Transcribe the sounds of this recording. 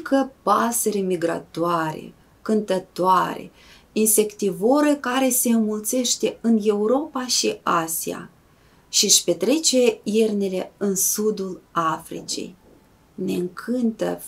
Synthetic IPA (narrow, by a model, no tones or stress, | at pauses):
kʰəpaseɾemiɡɾa̰t̪oaɾḛ | kɨnt̪ət̪oaɾḛ | inse̞kt̪ivoɾekaɾe̞se̞ɨnmult̪se̞ʃt̪e̞ɨnje̞uɾo̞paʃiasia̰ | ʃiʃpe̞t̪ɾe̞t͡ʃe̞irnele̞ɨnsud̪ulafɾḭt͡ʃḛj | ne̞ɨŋkʰɨnt̪ə̰